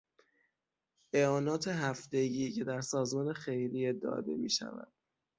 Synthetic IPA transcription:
ʔeɒːnɒːt̪ʰeɦæft̪e̞ɟiːcʰe̞d̪æɾsɒːzmɒːnexejɾied̪ɒ̰ːd̪e̞̰mḭːʃæ̰væ̰d̪̥̚

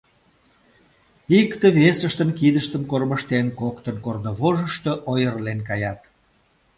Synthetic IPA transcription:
ikt̪əβesəʃt̪ənkid̪əʃt̪əmkorməʃt̪enkokt̪ənkornoβoʒəʃt̪oʔojərlenkɑjɑt̪̚

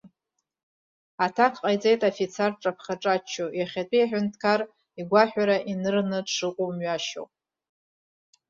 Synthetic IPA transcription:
atʰakʰqʼajt͡sʼejtʼafit͡sʰarʈ͡ʂʼapʰχaʈ͡ʂʼat͡ʃʰːojaχʲatʷʼijaħᶣʷʊntʰkʰar | iɡʷaħʷᶣaɾaʔinɨrnɨʂɨqʷʼomɥaʃo̰wpʼ

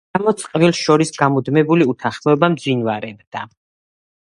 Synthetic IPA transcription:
amɔt̪sʼqʼvilˠʃɔɾisɡamud̪mɛbuliut̪ʰaχmɔɛbamd̪zwinvaɾɛbd̪̥a

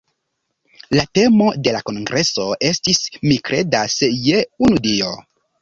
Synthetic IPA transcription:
late̞mo̞de̞lako̞nɡɾʔe̞so̞ʔe̞stismikɾe̞dasjeunudio̞

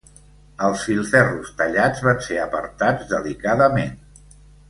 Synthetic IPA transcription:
əlˠsfilˠfɛrust̪əʎad͡zβanseəpəɾt̪ad͡zðəlikaðəmen

